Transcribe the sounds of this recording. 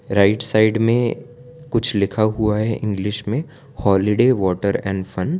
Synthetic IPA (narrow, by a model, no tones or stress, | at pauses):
ɾaɪʈsaɪɖmẽkʊt͡ʃʰlɪkʰaɦuaɦɛʔɪ̃ŋɡlɪʃmẽ | hɔːlɪɖeːʋɔːʈəɾɛ̰̃ːɳɖfɐ̃n